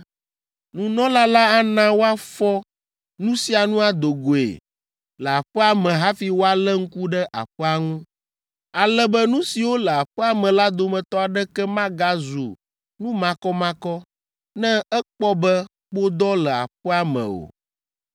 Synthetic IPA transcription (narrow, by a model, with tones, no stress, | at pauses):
nũ˨nɔ̃˦la˦la˦a˦nã˦wo˦a˦fɔ˦ | nũ˦si˦a˨nũ˦a˦d̪o˨ɡo˨ḛ˨ | lə˨a˨ɸɛ˦a˦mɛ̃˨ɦa˦fi˦wo˦a˦lɛ˦ŋ̩˦ku˦ɖɛ˦ʔa̰˨ɸɛ˦a˨ŋũ˦ | a˨lɛ˦bɛ˦nũ˦si˨wo˦lə˨a˨ɸɛ˦a˦mɛ̃˨la˦d̪o˨mɛ̃˨t̪ɔ˦a˨ɖɛ˦kɛ˦mã˦ɡa˦zṵ˨ | nũ˦mã˨kɔ˦mã˦kɔ˦ | nɛ̃˦ɛ˦k͡pɔ˦bɛ˦ | k͡po˦d̪ɔ˦lə˨a̰˨ɸɛ˦a˨mɛ̰̃˨o̰˨